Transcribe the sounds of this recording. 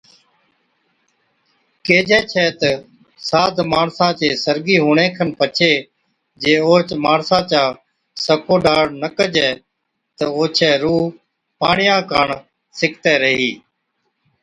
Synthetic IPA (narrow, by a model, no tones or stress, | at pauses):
keːd͡ʒɛːt͡ʃʰɛːt̪ə | saːd̪ʱmaːɳsãːt͡ʃeːsəɾɡiːɦuːɳẽːkʰənpət͡ʃʰeː | d͡ʒeːoːt͡ʃmaːɳsãːt͡ʃaː | səkoːɖaːɽnəkəd͡ʒɛː | t̪əoːt͡ʃʰɛːɾuː | paːɳɪjãːkəɳ | sɪkʰt̪ɛːɾəɦiː